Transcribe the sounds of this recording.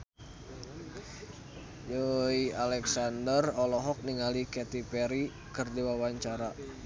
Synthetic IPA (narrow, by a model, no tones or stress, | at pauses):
joialɛksandərɔlɔɦɔk̚niŋalikɛt̪ipɛɾi | kɨrdiwawaɲt͡ʃaɾa